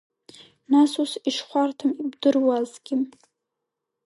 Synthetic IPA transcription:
nasusiʂχʷartʰamibdɨrwazɡʲɪ

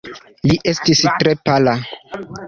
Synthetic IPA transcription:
liʔe̞stistɾe̞pala

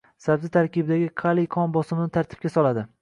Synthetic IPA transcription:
sabzɪt̪ʰaɾkʲɪbɪd̪aɡʲɪqʰɑlˠɪqʰɒnbɒsɪmɪnɪt̪ʰaɾt̪ʰɪ̥p̚kʲasɒlˠad̪ɪ

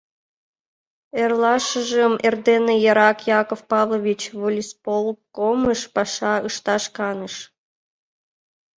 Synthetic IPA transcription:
erlɑʃəʒəmʔerd̪enejɑɾɑkjɑkofpɑvlˠovʲit͡ɕβolʲispolˠkoməʃpɑʃɑəʃt̪ɑʃkɑnəʃ

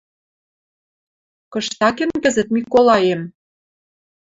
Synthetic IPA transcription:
kɤ̆ʃt̪ɑkemkɘ̆zə̆t̪̚mikolɑjem

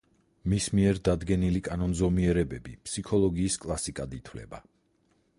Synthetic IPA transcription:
mismiɛɾd̪ad̪ɡɛnilikʼanɔnzɔmiɛɾɛbɛbipsikʰɔlˠɔɡiːskʼlˠasikʼad̪it̪ʰwlɛ̰ba

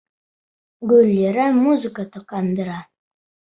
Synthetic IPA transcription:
ɡɵlʲːeɾæmuzɨkət̪ɤqɑnd̪ə̆ɾɑ

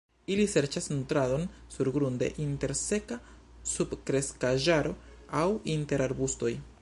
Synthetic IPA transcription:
ilise̞ɾt͡ʃasnutɾado̞nsuɾɡɾunde̞̰ʔinte̞ɾse̞ka | sub̥kɾe̞skaʒaɾo̞awinte̞ɾaɾbusto̞j

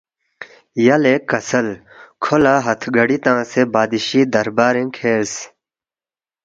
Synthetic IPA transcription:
jɐlekɐsɐl | kʰolaːɦɐt̪ʰɡɐɽit̪ãːsebaːd̪iɕiːd̪ɐɾbaːɾẽkʰeːs

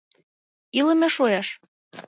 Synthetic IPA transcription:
ilə̆meʃojɑʃ

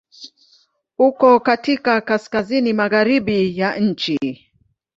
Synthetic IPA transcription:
ukɔkatikakaskazinimaɣaɾiɓijaɲ̩t͡ʃi

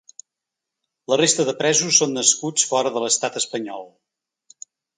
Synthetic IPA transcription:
lərest̪əðəpɾɛzusːonːəskut͡sfɔɾəðələst̪at̪əspəɲɔlˠ

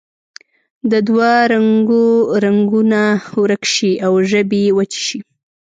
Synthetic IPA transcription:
d̪əd̪waɾaŋɡoɾaŋɡunawɾəkʃiawʒəbewat͡ʃi̥ʃi

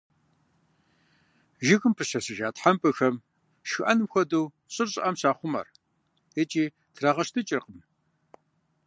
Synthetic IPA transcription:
ʒɪɣɨmpʰɨɕɐsɨʒaːtħampʰʼɨxɐm | ʃxɨʔɐnɨmxʷɐduw | ɕʼɨrɕʼɪ̰ʔɐmɕaːχʷʊmɐ̰r | et͡ʃʼiː | tʰraːʁɐʃtʰɨt͡ʃʼɪrqəm

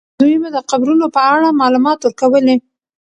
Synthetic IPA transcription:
d̪ujmud̪əqabɾunopəaɽamɑlumɑt̪wəɾkawəle

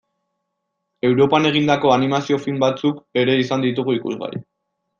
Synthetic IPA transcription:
e̞wɾo̞pane̞ɣ̞ind̪ako̞animasio̞filmbat͡suke̞ɾe̞isand̪it̪uɣ̞uikṵzɣa̰ɾḭ

